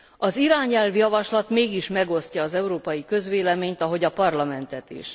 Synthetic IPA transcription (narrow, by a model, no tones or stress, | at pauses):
ɒziɾaːɲɛlvjɒvɒʃlɒt̪meːɡiʃmɛɡo̞scɒːzɛuɾoːpɒjikø̞zʋeːlɛmeːɲt̪ɒɦo̞ɟɒpɒrlɒmɛnt̪ɛt̪ḭʃ